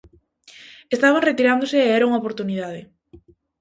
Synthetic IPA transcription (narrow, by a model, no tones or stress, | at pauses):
est̪aβaŋret̪iɾand̪oseːɛɾauŋaopoɾt̪unið̞að̞ɪ